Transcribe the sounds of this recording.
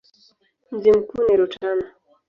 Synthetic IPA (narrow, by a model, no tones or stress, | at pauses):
m̩zim̩kuniɾut͡ʃana